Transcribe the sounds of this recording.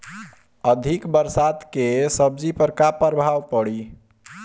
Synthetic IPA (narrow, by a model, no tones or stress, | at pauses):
əd̪ʱikbəɾsad̪kesəbd͡ʒipəɾkapəɾbʱawpəɽi